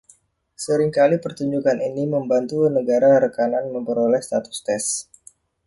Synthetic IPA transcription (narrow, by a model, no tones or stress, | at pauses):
səɾɪŋkalipərt̪uɲd͡ʒukaniniməmbant̪unəɡaɾaɾəkananməmpəɾolɛhst̪at̪ʊ̥st̪ɛs